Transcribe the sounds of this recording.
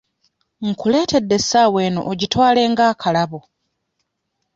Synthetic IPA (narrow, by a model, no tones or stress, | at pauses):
ŋ̩kule̞ːtʰe̞dːe̞saːwe̞ːno̰ʔoɟitwaːle̞ːŋɡaːkʰalaβo